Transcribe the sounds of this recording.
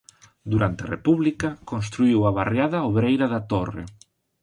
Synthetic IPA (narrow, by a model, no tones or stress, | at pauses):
d̪uɾant̪ea̰repuβlikɐkonst̪ɾuiwɐβarjaðɐoβɾejɾɐðat̪orḛ